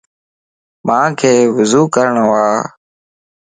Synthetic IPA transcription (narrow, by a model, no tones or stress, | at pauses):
mãːkʰeːʋʊzuːkəɾəɳʋaː